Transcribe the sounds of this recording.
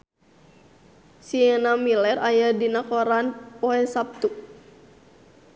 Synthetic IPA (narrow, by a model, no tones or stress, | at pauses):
siɛnamilɛrajadinakɔɾanpɔɛsap̚t̪u